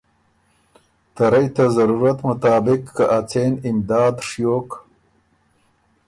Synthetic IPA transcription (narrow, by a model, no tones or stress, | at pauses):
t̪aɾajt̪azaɾuɾat̪mʊt̪ɑːbɪkːaʔat͡senɪmd̪ɑːd̪ʂjoːk